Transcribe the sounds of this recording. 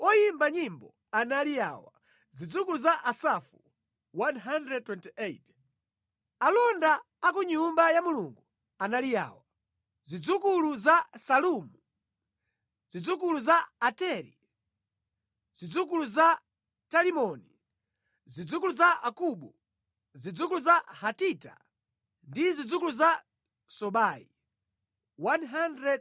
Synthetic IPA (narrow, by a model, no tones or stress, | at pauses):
ɔjimbaɲimbɔ | analija̰wa̰ | zid͡zuk̬uluzaʔasafu | wanɦandɾɛd̚twɛntiet | alɔndaː | k̬uɲumbajamuluŋɡu | analija̰ːwa | zid͡zukuluzasalumu | zid͡zuk̬uluzaːtɛɾḭ | z̥id͡zuk̬uluza | talimɔni | zid͡zukuluzaʔakuɓu | zid͡zuk̬uluzahatita̰ | ndizid͡zukuluza | sɔɓaːḭ | wanɦandɾɛd̚